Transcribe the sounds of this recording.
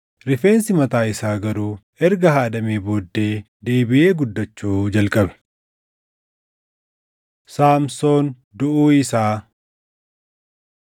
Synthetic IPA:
ɾɪfe̞ːnsɪmɐt̪aːɪsaːɡɐɾuː | ɛɾɡɐɦaːd̪ɐmeːbo̞ːd̪ːe̞ː | d̪e̞ːbɪʔe̞ːɡʊd̪ːɐt͡ʃːuːd͡ʒɐlkʼɐbɛ̥ | saːmso̞ːn | d̪ʊʔuːɪsaː

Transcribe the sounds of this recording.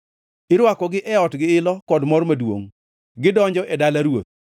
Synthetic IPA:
ɪɾwakɔɡɪʔɛɔtɡɪɪlɔkɔdmɔrmadwo̰ŋ | ɡɪdɔɲd͡ʒɔʔɛdalaɾwo̰t̪̚

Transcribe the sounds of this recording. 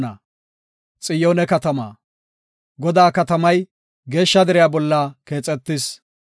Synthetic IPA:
nɐ̰ | t͡sʼɪjoːnɛkɐt̪ɐma̰ː | ɡɔd̪aːkɐt̪ɐmɐj | ɡe̞ːʃːɐd̪ɛɾɪjaːbɔlːɐke̞ːt͡sʼːɛt̪ːɪs

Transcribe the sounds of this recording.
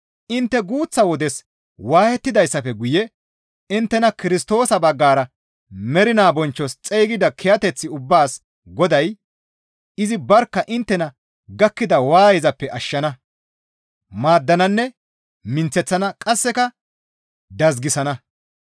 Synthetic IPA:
ʔɪnt̪ːɛɡuːt͡sːɐwɔd̪ɛs | waːhɛt̪ːɪd̪ɐjsːɐfɛɡʊjɛ | ɪnt̪ːɛnɐkɪɾɪst̪o̞ːsɐbɐɡːaːɾɐ | mɛɾɪnaːbɔnt͡ʃːɔst͡sʼejːɡɪd̪ɐkʰɛjɐt̪ɛt͡sːɪʊbːaːs | ɡɔd̪ɐj | ɪzɪbɐɾkːɐʔɪnt̪ːɛnɐ | ɡɐkːɪd̪ɐwaːjɪzɐpːɛʔɐʃːɐnɐ | maːd̪ːɐnɐnːɛ | mɪnt͡sːɛt͡sːɐnɐkʼɐsːɛkɐ | d̪ɐzɡɪsɐnɐ

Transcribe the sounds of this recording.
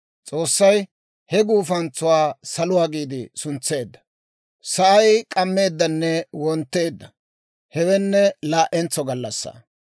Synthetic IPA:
t͡sʼo̞ːsːɐj | hɛɡuːfɐnt͡sːʊwaːsɐlʊwaːɡiːd̪ɪsʊnt͡sːe̞ːd̪ːɐ̥ | sɐʔɐjkʼɐmːe̞ːd̪ːɐnːɛwɔnt̪ːe̞ːd̪ːɐ | hɛwɛnːɛlaːʔɛnt͡sːɔɡɐlːɐsːa̰ː

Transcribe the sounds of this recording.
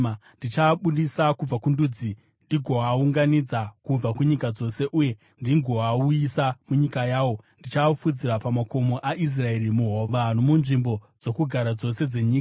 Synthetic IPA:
ndit͡ʃaɓuɗisakub͡vakunduːd͡zi | ndiɡʱo̞auŋɡanid͡zakub͡vakuɲikad͡zo̞se̞ʔuje̞ | ndiŋɡʱo̞aujisamuɲikajaːwo̞ndit͡ʃafud͡ziɾapamako̞mo̞ʔaʔis̬rae̞rimuɦoʋan̤umunʐimbo̞d͡zo̞kuɡʱaɾad͡zo̞se̞d͡ze̞ɲiːkaa

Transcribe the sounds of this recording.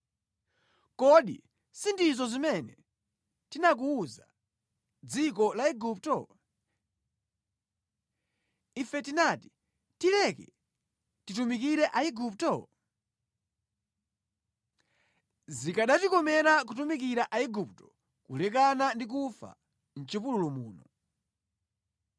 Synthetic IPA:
kɔɗḭ | sindizɔzimɛnɛ | tinak̬uːza̰ | d͡zikɔlaiɡup̚tɔ̰ | ifɛtinaːti̥ | tilɛkɛ̰ | titumikiɾɛʔaiɡup̚tɔ̰ | zikaɗatikɔmɛɾak̬utumik̬iɾaʔaiɡup̚tɔ̥ | kulɛkanandik̬ufa̰ | n̩t͡ʃipululumuːnɔ

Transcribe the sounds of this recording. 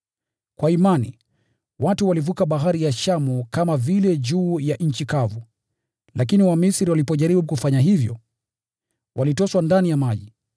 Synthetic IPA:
kwaimanḭ | watuwalivukaɓaɦaɾijaʃamukamavilɛʄuːjaʔɲ̩t͡ʃikavu | lakiniwamisɾiwalipɔʄaɾiɓukufaɲaɦivjɔ̰ | wʔalitɔswandanijamaʄi

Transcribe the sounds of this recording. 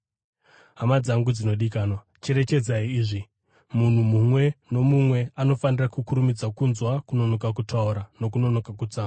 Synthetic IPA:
ɦamad͡zaŋɡud͡zino̞ɗikaːnwa | t͡ʃe̞ɾe̞t͡ʃe̞d͡zaiːʐi | mun̤umumwe̞no̞mumwe̞ano̞fanirakukuɾumid͡zakunzwakuno̞no̞kakutʰauɾano̞kuno̞no̞kakut͡saːa

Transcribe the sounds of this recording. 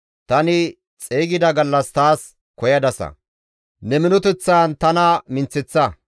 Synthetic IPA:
t̪ɐnɪ | t͡sʼeːɡɪd̪ɐɡɐlːɐst̪aːs | kɔjɐd̪ɐsɐ̰ | nɛmɪnɔt̪ɛt͡sːaːnt̪ɐnɐmɪnt͡sːɪt͡sːɐ

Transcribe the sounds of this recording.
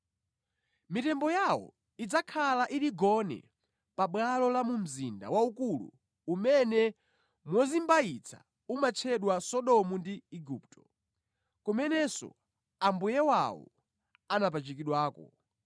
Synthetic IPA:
mitɛmbɔjawɔ̰ | id͡zakʰalaʔiɾiɡɔnɛ̰ | paɓwalɔlamum̩zinda̰waukulṵː | mɛnɛ | mwɔzimbait͡sʰa̰ | umat͡ʃʰɛɗwasɔɗɔmundiiɡuptʰɔ̥ | kumɛnɛsɔ̰ | ambujɛwawɔ̰ | anap̬at͡ʃikiɗwaːkɔ̰

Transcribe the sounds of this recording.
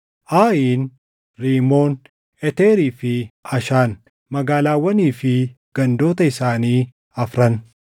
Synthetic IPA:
ʔaːʔiːn | ɾiːmoːn | ɛt̪eːɾiːfɪɐʃaːn | mɐɡaːlaːwːɐniːfɪ | ɡ̥ɐnd̪o̞ːt̪ɐɪsaːniː | ɐfɾɐn

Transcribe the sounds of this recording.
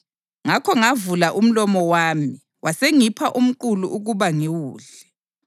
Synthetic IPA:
ŋakʰɔŋavulaʔum̩lɔmɔwaːmi | wʔaseŋipʰaʔum̩ǃuluʔuɣuβaŋiwuːɮ | ɛ

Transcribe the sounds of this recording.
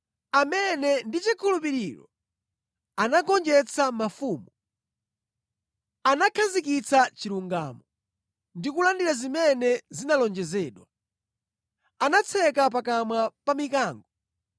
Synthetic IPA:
amɛnɛndit͡ʃikʰulup̬iɾiɾɔ̰ | anaɡɔnd͡ʒɛt͡sʰamafuːmu | anakʰazikit͡sat͡ʃiɾuŋɡaːmɔ | ndikulandiɾazimɛnɛzinalɔnd͡ʒɛzɛːɗwa | anat͡sʰɛkap̬akamwapamikaːŋɡɔ

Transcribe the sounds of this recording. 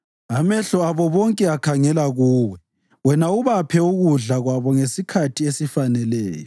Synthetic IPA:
amɛɬɔaβɔβɔŋkʼɛakʰaŋɛlaɣuːwɛ | wɛnauβapʰɛuɣuɮaɣwaβɔŋesikʰatʰiesifanɛlɛːjɔ

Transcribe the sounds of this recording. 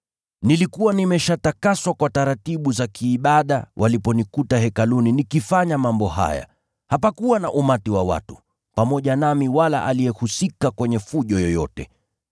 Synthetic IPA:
nilikuwanimɛʃatakaswakwataɾatiɓuzakiːɓaɗa̰wʔalipɔnikutahɛkaluninikifaɲamambɔɦa̰ja̰ | hapakuwanaʔumatiwawa̰tu̥ | pamɔʄanamiwala̰ʔaliɛhusikakwɛɲɛfuʄɔjɔjɔtɛ̰

